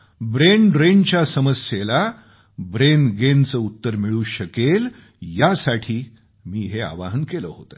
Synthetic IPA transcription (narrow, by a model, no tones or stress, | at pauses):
bɾeɳɾent͡ɕjasəməsjela | bɾenɡent͡səːut̪ːəɾmiɭuːɕəkel | jasaʈʰiː | miːɦea̰ʋaɦənkeləːɦot̪ə